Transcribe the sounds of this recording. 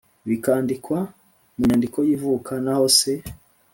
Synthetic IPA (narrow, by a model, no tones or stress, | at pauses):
βikaːndikwa | muɲandiko̞jivukʰanaho̞se̞